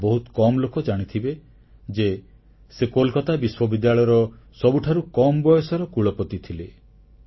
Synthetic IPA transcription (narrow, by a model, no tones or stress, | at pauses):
bɔɦut̪kɔmɔlokɔd͡ʒaɽ̃it̪ʰibe | d͡ʒe | sekolkat̪abiswɔbid̪jaɭɔjɔɾɔ | sɔbuʈʰaɾukɔmɔbɔjɔsɔɾɔkuɭɔpɔt̪it̪ʰile